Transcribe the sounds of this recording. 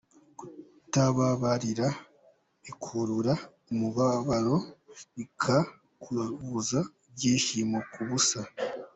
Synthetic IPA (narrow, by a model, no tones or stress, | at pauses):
ku̥ | taβaβaɾiɾa | ikʰuɾuɾa | muβaβaɾo̞ikʰa | kʰuuza | βɟeːʃimokuβusa